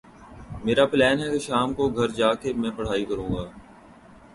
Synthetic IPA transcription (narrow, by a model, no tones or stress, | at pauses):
meːɾaplɛːnɦɛkeʃaːmkoɡʱɐɾd͡ʒaːkemɛ̃ːpɐɽ̤aːikɐɾũːɡaː